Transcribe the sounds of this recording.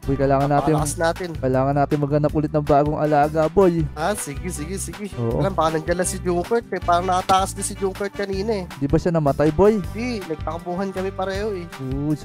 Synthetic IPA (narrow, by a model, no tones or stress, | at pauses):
b̥ojkɐjlaːŋɐnnːaːt̪ɪnɐsnaːt̪ɪnkɐjlaːŋɐnaːt̪ɪŋmɐɡɐnɐpʔuːlɪt̪̚nɐŋbaːɡoŋʔɐlaːɡɐbo̞jʔasɪɡɪsɪɡɪsɪɡɪʔoːʔolambaːkɐnɐŋd͡ʒɐlasɪd͡ʒukɛɹt̪̚kɐpaːɾɐŋnɐkɐt̪aːkɐsnɪsɪd͡ʒuŋkɛɹt̪̚kɐniːnɐɛnd̪ibɐʃanɐmɐt̪ajbojd̪inɐɡ̚t̪ɐkʊmbuːɦɐnkɐmɛpɐɾɛːhoɛʔoːs